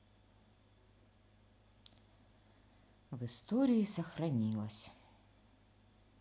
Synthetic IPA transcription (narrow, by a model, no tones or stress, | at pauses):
vɪst̪ɔɾʲijisɐxɾɐnʲilˠɐsʲ